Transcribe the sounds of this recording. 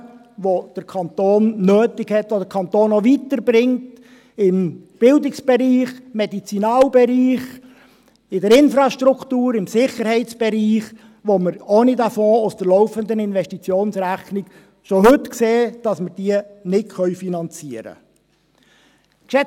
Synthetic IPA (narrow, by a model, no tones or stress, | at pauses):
ʋod̥əɾkʰɑnt̪oːnːøːtɪkhɛtʋod̥̪əɾkʰɑnt̪oːnoʋit̪əɾbɾɪŋt | ɪmb̥ɪldɪksb̥ɛɾiːχmɛdit͡sinɑːlbɛɾiːχ | ɪdəɾɪnfɾɑʃtɾukʰtuːɾɪmsɪχəɾhɛɪt̪t͡sb̥ɛɾiːχ | ʋoməɾonidæfɔ̃ːʊsd̥əɾlɔʊfənd̪ənɪnvɛʃtit͡sjoːnsɾæχnɪk | ʃoɦɵtkseːd̥ɑsməɾd̥iːənɪtχœʏfinɑnt͡siəɾə̰ | kʃɛ